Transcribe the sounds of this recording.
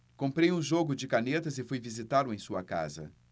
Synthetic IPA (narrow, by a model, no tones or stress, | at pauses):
kõpɾejũʒoɡʊd͡ʒɪkanet̪ɐzɪfujvizit̪alʊẽj̃suɐka̰zɐ̰